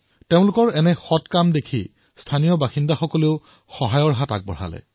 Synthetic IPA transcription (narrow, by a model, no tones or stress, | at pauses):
teʊ̃lʊkɔɹɛnɛxɔtkamdekʰi | stʰanijɔbaxindaxɔkɔleʊ | xɔɦajɔɹɦata̰k̚bɔ̰ɹ̤a̰lɛ̰